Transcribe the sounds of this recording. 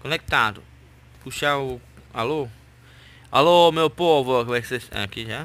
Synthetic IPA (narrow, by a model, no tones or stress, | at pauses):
konek̚t̪ad̪ʊ̰ | kuʃaualo | a̰lomewpovʊkvajksesa̰kiʒa